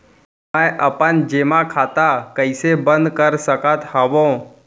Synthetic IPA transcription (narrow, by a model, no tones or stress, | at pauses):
mə̃ʔəpənd͡ʒeːmãkʰaːt̪akəɪsebə̃nd̪kəɾsəkət̪həʋõː